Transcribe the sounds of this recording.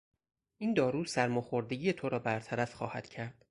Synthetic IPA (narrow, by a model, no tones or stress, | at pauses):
ʔiːnd̪ɒːɾuːsæɾmoxoɾd̪e̞ɟijet̪ʰoɾɒːbæɾt̪ʰæɾæfxɒ̰ːhæ̰d̪̥cʰæɾd̪̥